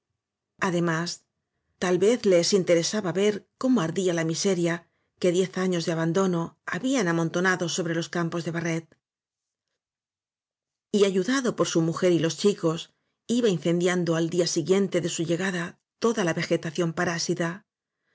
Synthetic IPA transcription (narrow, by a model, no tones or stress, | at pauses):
aðe̞mas | t̪alβe̞θlesint̪e̞ɾe̞saβaβe̞ɾko̞mo̞aɾðialamise̞ɾja | ke̞ðje̞θaɲo̞zðeaβand̪o̞no̞aβianamo̞nt̪o̞naðo̞so̞βɾe̞lo̞skampo̞zðe̞βare̞t̪̚ | iaʝuðaðo̞po̞ɾsumuxe̞ɾilo̞st͡ʃiko̞s | iβain̟θe̞nd̪jand̪o̞ald̪iasiɣje̞nt̪e̞ðe̞suʝe̞ɣaða | t̪o̞ðalaβe̞xe̞t̪aθjo̞mpaɾasit̪a